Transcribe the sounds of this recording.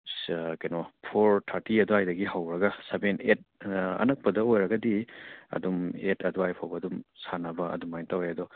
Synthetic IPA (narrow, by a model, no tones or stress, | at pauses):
kejnɔpʰoɾtʰaɾtiɐduajdɐɡiɦawɾɐɡɐsebenet̚ɐ̰nɐk̚pɐdɐojɾɐɡɐdiɐ̰dumetʰɐduajpʰawbɐdumsanɐbɐɐ̰dumajntawajɐdɔ